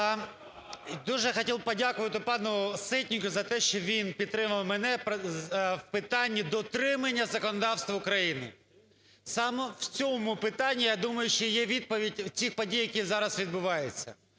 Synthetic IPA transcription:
d̪uʒɛxɐtʲilˠb̚pɔdʲakʊʋɐt̪ɪpɑnʊsɪtʲnʲikʊzɐt̪ɛʃt͡ʃɔʋʲinpʲid̪t̪ːɾɪmɐwmɛnɛp | wpɪt̪ɑnʲːid̪ɔt̪ɾɪmɐnʲːɐzɐkɔnɔd̪ɑwst̪ʋɐʊkɾɐjinɪ̰ | sɑmɛwt͡sʲɔmʊpɪt̪ɑnʲːijad̪umɐjʊʃt͡ʃɔjɛʋʲid̪̚pɔʋʲidʲt͡sʲixpɔdʲijɐkʲizɑɾɐsʋʲid̪̚bʊʋɑjɛt͡sʲːɐ̰

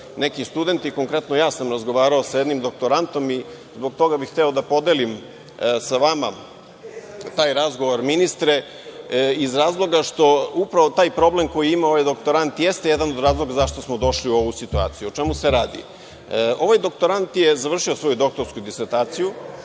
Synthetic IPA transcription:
ne̞kist̪ud̪e̞nt̪iko̞ŋkɾe̞t̪nojaːsamɾazɡo̞ʋaːɾaosajed̪nimd̪o̞k̚t̪o̞ɾant̪o̞mi | zbo̞k̚t̪o̞ɡabixt̪ɛod̪apo̞d̪elim | saʋama | t̪aːjɾazɡo̞ʋoɾminist̪ɾe | izɾaːzlˠo̞ɡaʃt̪o̞upɾaʋot̪aːjpɾo̞ble̞mko̞jiimaoʋajd̪o̞kt̪o̞ɾant̪jest̪ejed̪anod̪ɾaːzlˠo̞ɡazaʃt̪osmo̞d̪o̞ʃliuo̞ʋusit̪ua̰ːt̪sijuot͡ʃemuseɾaːd̪ḭ | o̞ʋajd̪o̞k̚t̪o̞ɾant̪jezaʋr̩ʃiosʋo̞jud̪o̞k̚t̪oɾskud̪iseɾt̪aːt̪siju

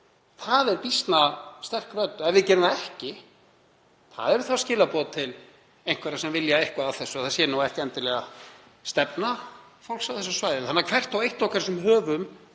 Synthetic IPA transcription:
θaðɛɾpist̪nast̪ɛr̥krœt̪ːɛvɪðcɛɾʏmaɛhcɪ | θa̰ðɛɾʏθascɪːlapɔːt̪t̪ʰːɪl | ejŋ̥kvɛːɾasɛmvɪljaejhkvaːwθɛsːʏaθasjɛnuwɛhcɪɛnt̪ɪlɛɣa | st̪ɛpna | fowl̥ksawθɛsːasvaːjðɪθhanːakʰvɛr̥t̪awejht̪ɔhkaɾsɛmɦœːvʏm

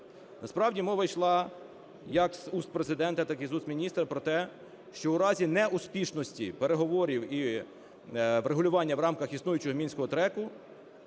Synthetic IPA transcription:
nɐspɾɑwdʲimɔʋɐjʃlˠɑ | jɐksust̪̚pɾezɪd̪ɛnt̪ɐt̪ɑkizusmʲinʲist̪ɾɐpɾɔt̪ɛ | ʃt͡ʃɔʊɾɑzʲinɛuspʲiʃnɔsʲtʲḭpeɾeɦɔʋɔɾʲiwi | ʋɾeɦʊlʲʊʋɑnʲːɐwɾɑmkɐxisnujʊt͡ʃʊɦɔmʲinʲsʲkɔɦɔt̪ɾɛkʊ

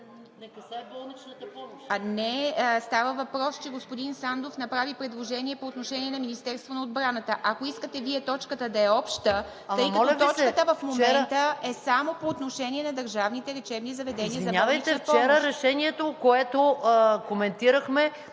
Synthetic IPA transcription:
nkbolˠnit͡ʃnɐt̪əpɔmoʃanɛəst̪avəvɐpɾɔst͡ʃɛɡospod̪insand̪ofnɐpɾavipɾɛd̪lˠoʒɛniɛpoːt̪noʃɛniɛnɐminist̪ɛɾst̪vonɐod̪bɾanət̪əʔakoiskət̪ɛviɛt̪ɔt͡ʃkət̪əd̪ɐɛɔpʃt̪ə | ɤjkkəɐɔlvt̪ɔt͡ʃt͡ʃkət̪əvəfmomɛɛnt̪əɛsamopoːt̪noʃɛnʲiɛnɐd̪ɐɾʒavnit̪ɛɾɛt͡ʃɛbnizɐvɛd̪ɛniəzɐbnʲalvəj̪it͡ʃ̪ɛnft͡ʃɔɛmɾoəɾɛʃɛniɛt̪okoɛt̪okomɛnt̪iɾəxmɛ

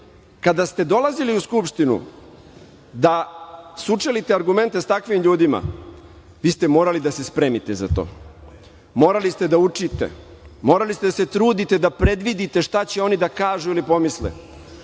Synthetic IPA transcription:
kad̪ast̪e̞d̪o̞laziliuskupʃt̪inṵ | d̪asut͡ʂelit̪eaɾɡume̞nt̪est̪akʋimʎuːd̪ima̰ | ʋiːst̪e̞mo̞ːɾalid̪asespɾeːmit̪eza̰t̪o̰ː | mo̞ːɾalist̪ed̪aut͡ʂit̪ḛ | mo̞ːɾalist̪ed̪ase̞t̪ɾuːd̪it̪e̞d̪apɾe̞d̪ʋid̪it̪e̞ʃt̪at͡ɕeo̞nid̪akaːʒuilipo̞mislḛ

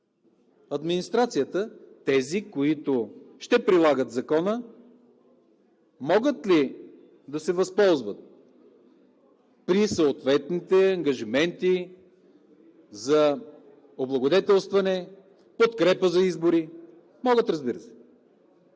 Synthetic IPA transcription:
ɐd̪minist̪ɾat̪sijət̪ət̪ɛzikoit̪ʊʃt̪ɛpɾilˠaɡət̪zɐkɔnə | mɔɡət̪li | d̪ɐsɛvɐspɔlˠzvət̪̚ | pɾisoot̪vɛt̪nit̪ɛɐŋɡɐʒimɛnt̪i | zɐ | oblˠɐɡod̪ɛt̪ɛlˠst̪vɐnɛ | pot̪kɾɛpəzɐizboɾi | mɔɡət̪ɾɐzbiɾəsɛ̥

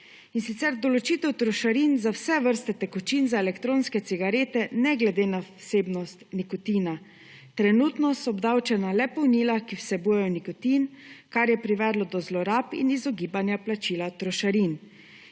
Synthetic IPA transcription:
insit̪sɛɾd̪ɔlɔt͡ʃiːt̪ɛwt̪ɾɔʃaɾinzawsɛʋəɾst̪ɛt̪ɛkɔt͡ʃinzaɛlɛkt̪ɾoːnskɛt̪siɡaɾeːt̪ɛnɛɡlɛd̪eːnaseːbnɔst̪nikɔt̪iːna | t̪ɾɛnut̪nɔsɔɔbd̪awt͡ʃɛnalɛpɔwniːlakiwsɛbuːjɛjɔnikɔt̪iːnkaɾjɛpɾiʋɛːd̪lɔd̪ɔzlɔɾapḭnizɔɡiːbanjaplat͡ʃiːlat̪ɾɔʃaɾin

